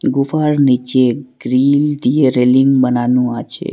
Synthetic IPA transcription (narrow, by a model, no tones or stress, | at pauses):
ɡufaɾnit͡ʃeɡ̥ɾild̪ieɾeliŋɡbənanũat͡ʃʰḛ